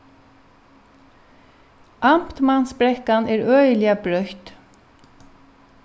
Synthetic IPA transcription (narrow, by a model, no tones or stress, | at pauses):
am̥t̪mansbɾɛhkanʔɛɹœːjlɪabɾœht̪